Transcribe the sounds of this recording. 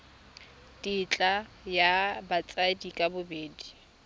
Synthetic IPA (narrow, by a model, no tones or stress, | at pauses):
dʼit͡ɬʼa | jabat͡sʼadikʼabʊbeːdi